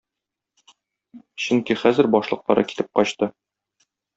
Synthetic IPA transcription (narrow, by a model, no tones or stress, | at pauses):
ɕɵŋkiχæzɘ̆ɾbɒʃlˠɤ̆q̚lˠɑɾɤ̰ki̥t̪ɘp̚qɒɕt̪ɤ